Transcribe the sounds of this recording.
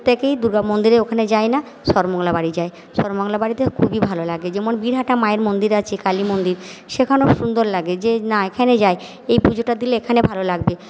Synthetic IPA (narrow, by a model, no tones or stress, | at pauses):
t̪ekejd̪uɾɡamond̪iɾeokʰaned͡ʑaena | ʃɔɾmoŋlabaɽid͡ʑae | ʃɔɾmoŋlabaɽit̪ekʰubibʱalolaɡed͡ʑemonbiɾɦaʈamaeɾmond̪iɾat͡ɕʰekalimond̪iɾʃekʰanoʃund̪oɾlaɡed͡ʑenaekʰaned͡ʑae | ejpud͡ʑoʈad̪ileekʰanebʱalolaɡbe